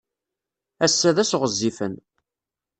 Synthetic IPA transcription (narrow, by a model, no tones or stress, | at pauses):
æsːæðæsʁəzːifən